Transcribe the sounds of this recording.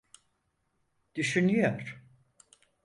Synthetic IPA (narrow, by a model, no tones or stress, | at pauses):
d̪̥yʃynyjoɾ̥